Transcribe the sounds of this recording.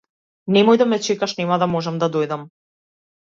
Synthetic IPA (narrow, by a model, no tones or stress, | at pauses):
nɛmɔjd̪amɛt͡ʃɛkaʃnɛmad̪amɔʒɛmd̪ad̪ojd̪am